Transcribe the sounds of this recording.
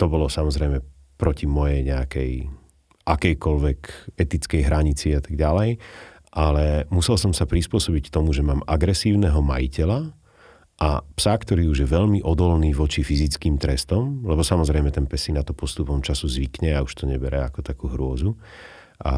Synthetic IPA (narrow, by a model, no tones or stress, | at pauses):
t̪ɔbɔlɔsamɔzɾɛjmɛ | pɾɔcimɔjɛjɲɛakɛj | ʔakɛjkɔlʋɛkɛt̪it͡skɛjɦɾaɲit͡siat̪aɡɟalɛj | ʔalɛmusɛlsɔmsapɾispʊɔsɔbickt̪ɔmuʒɛmaːmaɡɾɛsiːʊnɛɦɔma̰jicɛla | ʔa̰psakt̪ɔɾiːuʒjɛʋɛʎmiʔɔd̪ɔlniːʋɔt͡ʃifizit͡skiːmt̪ɾɛst̪ɔmlɛbɔsamɔzɾɛjmɛt̪ɛnpɛsinat̪ɔpɔst̪upɔmt͡ʃasuzʋikɲɛauʃt̪ɔɲɛbɛɾʔɛakɔt̪akuːɦɾʊɔzu | ʔa̰